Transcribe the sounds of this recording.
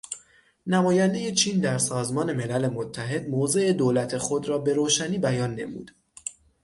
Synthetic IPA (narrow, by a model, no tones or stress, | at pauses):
næmɒːjænd̪e̞je̞t͡ʃʰiːnd̪æɾsɒːzmɒːne̞me̞lælemot̪ʰːæɦe̞d̪moːze̞ʔed̪oːlæt̪ʰe̞xo̞d̪ɾɒːbe̞ɾoːʃæniːbæjɒːnːe̞̰mṵːd̪̥